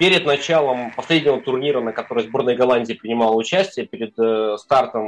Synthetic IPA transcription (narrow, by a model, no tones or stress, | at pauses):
pʲeɾʲɪd̪nɐt͡ɕalˠəmpɐsʲlʲedʲnʲɪvət̪ʊrnʲiɾənəkɐt̪o̞ɾɨjzbo̞rnəjɡɐlˠanʲdʲɪːpɾʲɪnʲɪmɑlˠəʊt͡ɕæsʲtʲɪjəpʲɪɾʲɪd̪st̪art̪əm